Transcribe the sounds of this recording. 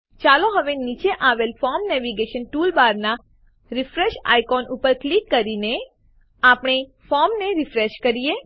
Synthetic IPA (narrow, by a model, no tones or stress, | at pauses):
t͡ʃaloɦəʋenit͡ʃeʔaʋelfɔɾmnɛʋiɡeʃənʈulbaɾna | ɾɪfɾeʃa̰jkɔnupəɾklikːəɾine | apɳ̃efɔɾmneɾifɾeʃkəɾie